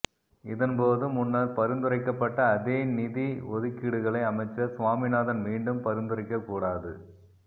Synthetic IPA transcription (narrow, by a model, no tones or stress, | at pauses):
ɪðɐnpoːðɯmʊnːɐɾpɐɾɯnd̪ɯrɐɪkːɐpːɐʈːɐːðeːnɪðiɔðɯkːɪɽɯɣɐɭɐɪɐmɐɪt͡ʃːɐsʋaːmɪnaːðɐnmiːɳɖɯmpɐɾɯnd̪ɯɾɐɪkːɐkːuːɽaːðɯ̰